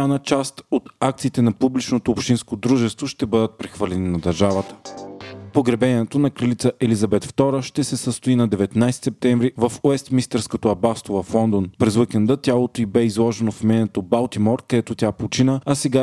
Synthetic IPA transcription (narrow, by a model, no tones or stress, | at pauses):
anət͡ʃast̪ot̪akt̪siːt̪ɛnɐpublit͡ʃnot̪oːpʃt̪inskod̪ɾuʒɛst̪voʃt̪ɛbɤd̪ət̪̚pɾɛxvəlʲɛninɐd̪ɐɾʒavət̪ə̥ | poɡɾɛbɛniɛt̪onɐkɾəlit̪səʔɛlizɐbɛt̪ft̪ɔɾəʃt̪ɛsɛsəst̪oinɐd̪ɛvɛt̪najsɛ̥t̪sɛp̚t̪ɛɱvɾivɐfoɛst̪mist̪ɛɾskot̪oɐbast̪ovɐflˠɔnd̪onpɾɛzwikɛnd̪ət̪ʲjalˠot̪oibɛizlˠɔʒɛnofmɛnɛt̪obalˠt̪imɔɾkɐd̪ɛt̪ot̪ʲaplot͡ʃinəɐsɛɡa